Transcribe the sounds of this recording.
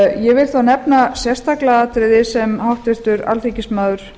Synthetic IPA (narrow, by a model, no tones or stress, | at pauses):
jɛvɪlθanɛpnasjɛ̥st̪ʰaklaaːt̪ɾɪðɪsɛmhawht̪vɪr̥t̪ʏɾa̰lt̪icɪsmaːðʏɾ̥